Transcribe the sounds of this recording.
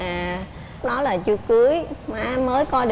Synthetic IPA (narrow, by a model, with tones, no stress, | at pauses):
aː˨˩ | ɗɔ˨˦laː˨˩t͡ɕɨ˧kɨ˨˦əjmaː˨˧məː˨˦jkɔ˧ɗ